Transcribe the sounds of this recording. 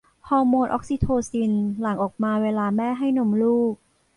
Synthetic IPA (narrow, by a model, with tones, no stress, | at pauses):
pʰɔː˧moː˧nʔɔ̰˦˥k̚si˧˩t̪ʰoː˧si˧nla˩˦ŋʔɔː˨˩k̚maː˧weː˧laː˧mɛː˥˩ɦa˥˩jno˧mluː˥˩k̚